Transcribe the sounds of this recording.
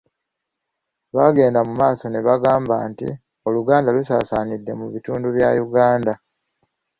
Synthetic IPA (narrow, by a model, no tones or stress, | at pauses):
βaɡe̞ːndamumaːso̞neβaɡaːmba̰ːntḭ | o̞luɡaːndalusaːsanidːe̞muβituːnduβja̰juɡaːnda